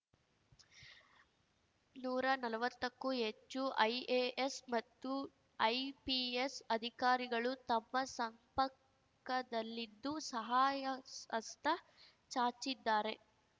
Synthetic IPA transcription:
nuːɾɐnɐlɐʋɐt̪ːɐkːuɦet͡ʃːuʔɐjeːesmɐt̪ːu | ɐjpiesɐd̪ʱikaːɾiɡɐɭut̪ɐmːɐsɐmpɐ | kːɐd̪ɐlːid̪ːusɐɦaːjɐɐst̪ʰɐ | t͡ʃaːɾt͡ʃid̪ːaːɾe̞

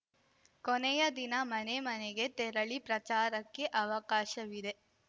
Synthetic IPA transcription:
konɛjɐd̪inɐmɐnemɐneɡe̞t̪ɛɾɐɭipɾɐt͡ʃaːɾɐkːe̞ʔɐʋɐkaːʃɐʋid̪e̞

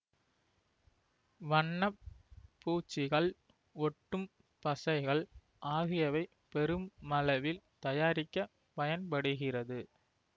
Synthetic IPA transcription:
ʋɐɳːɐpːuːt͡ʃːɪɣɐɭ | ɔʈːɯm | pːɐsɐɪɣɐɭ | ʔaːɣɪjɐʋɐɪ | pɛɾɯmːɐlɐʋɪlt̪ɐjaːɾɪkːɐ | pɐjɐnpɐɽɯɣɪrɐðɯ

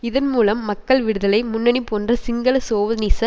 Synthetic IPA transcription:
ɪðɐnmuːlɐmːɐkːɐɭʋɪɽɯðɐlɐɪmʊnːɐnipːoːndrɐsɪŋɡɐɭɐsoːʋɐniːsɐ

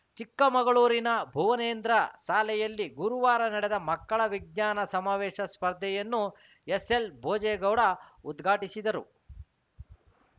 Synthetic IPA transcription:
t͡ʃikːɐmɐɡɐɭuːɾinɐbʱuʋɐneːnd̪ɾɐʃaːlɛjɐlːiɡuɾuʋaːɾɐnɐɽɛd̪ɐmɐkːɐɭɐʋiɡ̚ɲaːnɐsɐmaːʋɛːʃɐspɐɾd̪ʱɛjɐnːu | eselbʱoːd͡ʒɛːɡɐwɽɐud̪ɡʱaːʈisid̪ɐɾṵ

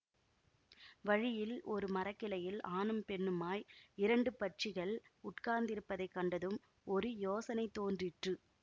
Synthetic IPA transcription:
ʋɐɻɪjɪlɔɾɯmɐɾɐkːɪlɐjɪlaːnɯmpɛɳːɯmaːjɪɾɐɳɖɯpɐʈ̚t͡ʃɪɣɐɭʊʈkaːnd̪ɪɾɯpːɐðɐɪkːɐɳɖɐðɯm | ɔɾɯjoːsɐnɐɪt̪ːoːndrɪʈrɯ

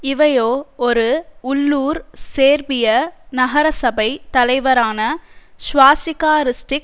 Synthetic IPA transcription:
ɪʋɐjoːɔɾɯʊlːuːɾseːɾbɪjɐnɐɣɐɾɐsɐbɐɪt̪ɐlɐɪʋɐɾaːnɐʃʋaːsɪkaːɾɪsʈɪk̚

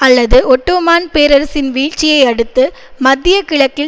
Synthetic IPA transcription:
ɐlːɐðɯʔɔʈːoːmaːnpeːɾɐɾsɪnʋiːɻt͡ʃːɪjɐɪɐɽɯt̪ːɯmɐd̪ːɪjɐkɪɭɐkːɪ

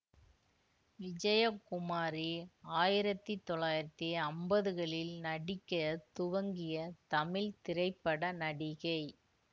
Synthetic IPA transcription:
ʋɪd͡ʒɐjɐkːʊmaːɾiaːjɪɾɐt̪ːɯt̪ːɔɭaːjɪɾɐt̪ːɯɐmbɐðɯɣɐɭɪlnɐɽɪkːɐt̪ʊʋɐŋɡɪjɐt̪ɐmɪlt̪ɪɾɐɪpːɐɽɐnɐɽɪɣɐɪ

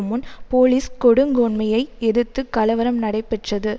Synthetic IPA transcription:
mɯnpoːliːskɔɽɯŋɡɐʊɳmɐjɐɪɛɽɯt̪ːɯkɐlɐʋɐɾɐmnɐɽɐɪpːɛʈrɐðɯ

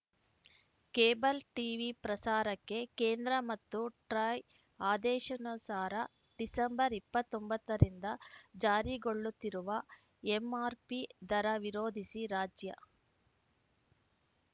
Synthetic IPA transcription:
keːbɐlʈiːʋipɾɐsaːɾɐkːe̞keːnd̪ɾɐmɐt̪ːuʈɾɐj | aːd̪ɛːʃɐnɐsaːɾɐ | ɖisɐmbɐɾipːɐt̪ːo̞mbɐt̪ːɐɾind̪ɐd͡ʒaːɾiɡoɭːut̪ːiɾuʋɐ | emaːɾpid̪ɐɾɐʋiɾoːd̪ʱisiɾaːd͡ʒjɐ̰

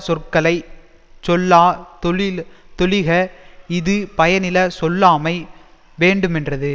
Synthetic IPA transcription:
sɔrkɐlɐɪ | t͡ʃɔlːaːt̪ | t̪ɔlɪɣɐɪðɯpɐjɐnɪlɐsɔlːaːmɐɪ | ʋeːɳɖɯmɛndrɐðɯ

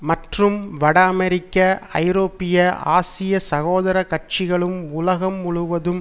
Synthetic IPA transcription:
mɐʈrɯmʋɐɽɐːmɛɾɪkːɐɐ̰ɪɾoːpɪjɐa̰ːsɪjɐsɐɣoːðɐɾɐkɐʈ̚t͡ʃɪɣɐɭɯmʊlɐɣɐmːʊɻʊʋɐðɯm

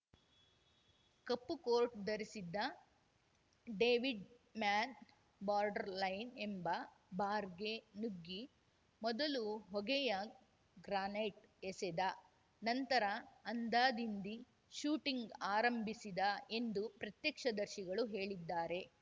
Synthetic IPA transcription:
kɐpːukoːɾʈ̚d̪ɐɾisid̪ːɐ | ɖeːʋiɖmaːn | baːɾɖɐɾlɐjnembɐ | baːɾɡenuɡːi | mɔd̪ɐluɦɔɡɛjɐ | ɡɾaːneʈesɛd̪ɐ | nɐnt̪ɐɾɐːnd̪aːd̪ind̪i | ʃuːʈiŋɡaːɾɐmbʱisid̪ɐe̞nd̪upɾɐt̪jɐkʂɐd̪ɐɾʃiɡɐɭuɦe̞ːɭid̪ːaːɾe̞

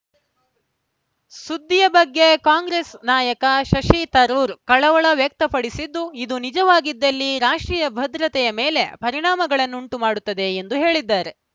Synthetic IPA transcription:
sud̪ːijɐbɐɡːe̞kaːŋɡɾesnaːjɐkɐʃɐʂit̪ɐɾuːɾkɐɭɐʋɐɭɐʋjɐk̚t̪ɐpɐɽisid̪ːuid̪unid͡ʒɐʋaːɡid̪ːɐlːiɾaːʂʈɾiːjɐbʱɐd̪ɾɐt̪ɛjɐmeːle̞pɐɾiɳaːmɐɡɐɭɐnːuuɳʈumaːɽut̪ːɐd̪e̞end̪uɦe̞ːɭid̪ːaːɾe̞

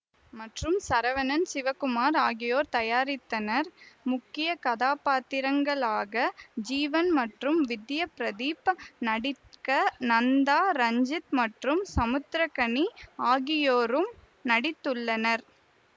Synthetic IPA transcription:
mɐʈrɯmsɐɾɐʋɐnɐnsɪʋɐkʊmaːɾaːɣɪjoːɾt̪ɐjaːɾɪt̪ːɐnɐɾmʊkːɪjɐkɐðaːpaːt̪ːɪɾɐŋɡɐɭaːɣɐd͡ʒiːʋɐnmɐʈrɯmʋɪd̪jɐpɾɐðiːpnɐɽɪ | kɐnɐnd̪aːɾɐɲd͡ʒɪt̪mɐʈrɯmsɐmɯt̪ɾɐkɐɳiaːɣɪjoːɾɯm | nɐɽɪt̪ːɯɭːɐnɐɾ

